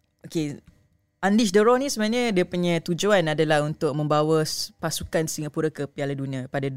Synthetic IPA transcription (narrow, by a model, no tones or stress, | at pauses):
oke | andis̬dəɾɔnĩsəbaɲə̃diəpuɲãt̪ud͡ʒuanadalahunt̪ʊk̚mə̃mbawəspasukansiŋapuɾakəpialadunĩãpada